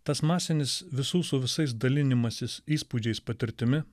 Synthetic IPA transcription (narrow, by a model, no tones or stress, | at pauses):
t̪ɐsmɑːsʲɪnʲɪsʋʲɪsuːsʊʋʲɪsɐɪs̬d̪ɐlʲɪnʲɪmɐsʲɪsiːspud͡ʒʲɛɪspɐt̪ʲɪɾʲt̪ʲɪmʲɪ